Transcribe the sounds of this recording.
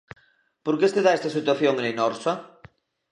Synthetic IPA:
poɾkest̪eðaɛst̪asit̪waθjoŋnenɔɾsa

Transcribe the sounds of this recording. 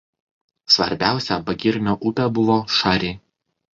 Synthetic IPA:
sʋɐ̰ɾʲbʲæˑʊsʲɛbɐɡʲɪɾʲnʲoːʔʊpʲɛbʊʋoːʃɑːɾʲeː

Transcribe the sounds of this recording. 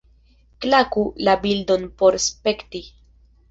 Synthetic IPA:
klakulabildo̞npo̞ɾspekti

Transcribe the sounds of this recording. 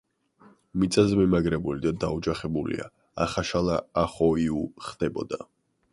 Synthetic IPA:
mit̪sʼazɛmɛmaɡɾɛbulid̪ad̪aud͡ʒaχɛbulḭa̰ | aχaʃalˠaaχɔiuχd̪ɛbɔ̰d̪a

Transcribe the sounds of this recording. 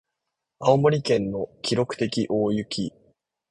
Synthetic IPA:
aomo̞ɾʲikẽ̞nːo̞kʲiɾo̞kɯ̟̥t̪e̞kʲiʔo̞ːjɯ̟kʲʰi

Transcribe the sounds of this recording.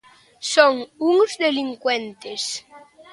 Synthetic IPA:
soŋuŋzðeliŋkwent̪es

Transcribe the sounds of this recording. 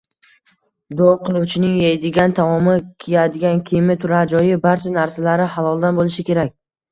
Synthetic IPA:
d̪ɒqʰɨlˠuwt͡ʃʰɪnɪŋjejd̪ɪɡʲant̪ʰamɒmɪkʲʰejad̪ɪɡʲankʲʰimɪt̪ʰʊɾad͡ʒɒjɪbaɾt͡ʃʰanaɾsalaɾɪhalˠɒlˠd̪anbolɪʃɪkʲe̞ɾakʲ

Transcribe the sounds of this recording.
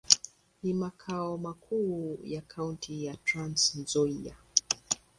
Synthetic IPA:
nimakʰaɔmakʰujakʰauntʰijatɾãnsnzɔia̰

